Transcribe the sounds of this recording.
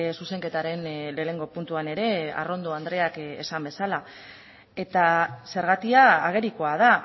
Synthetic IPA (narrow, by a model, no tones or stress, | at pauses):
suse̞ŋke̞t̪aɾe̞nle̞ːne̞ŋɡo̞punt̪uane̞ɾe̞a̰ro̞nd̪o̞and̪ɾe̞akḛsambe̞sala | e̞t̪ase̞ɾɣat̪iaːɣ̞e̞ɾiko̞að̞a